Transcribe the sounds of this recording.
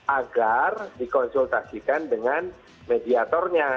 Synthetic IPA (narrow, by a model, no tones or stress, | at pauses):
aɡardikɔnsult̪asikandəŋan | mediat̪ɔrɲa